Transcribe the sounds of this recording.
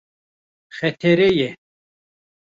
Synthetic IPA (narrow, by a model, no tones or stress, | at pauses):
xɛt̪ʰɛɾɛjɛ